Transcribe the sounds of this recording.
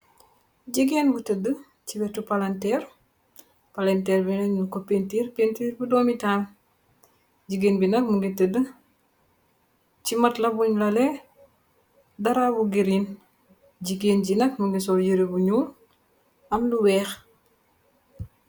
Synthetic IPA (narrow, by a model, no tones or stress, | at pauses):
ɟiɡenbutədːə | ciwɛtupalɐntɛːr | palɐntɛːɾbinɛnnkopːentiːɾpentiɾbudɔːmitaːl | ɟiɡenbinɐk̚muŋɡetədə | cimɐtlɐbuɲlɐlɛ | dɐɾaːbuɡiɾiːn | ɟiɡenɟinɐkmuŋɡisɔljiɾibuɲuːl | ʔɐmnuwɛːx